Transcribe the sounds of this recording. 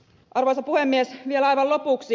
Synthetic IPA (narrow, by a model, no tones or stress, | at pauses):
ʔɑrʋoisɑpuhemːiesʋielɑjʋɑlopuˑksi